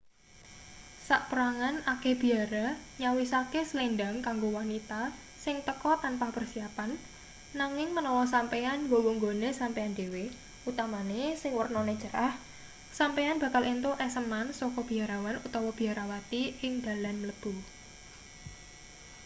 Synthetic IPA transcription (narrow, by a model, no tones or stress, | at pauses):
saʔpəɾaŋanakeb̥i̤aɾaɲawisakesəlendaŋkaŋɡowanit̪a | sɪŋt̪əkɔt̪anpahpərsiapanː | aŋɪŋmənɔwɔs̬ampeanŋɡowoŋɡonesampeand̪ewe | ʔut̪amanesɪŋwərnɔne̥ʒ̥ə̤ɾah | sampejanb̥a̤kalʔint̪oʔɛsəmansɔkɔb̥i̤aɾawanut̪ɔwɔb̥i̤aɾawat̪iɪŋd̪̥a̤lanmələb̥u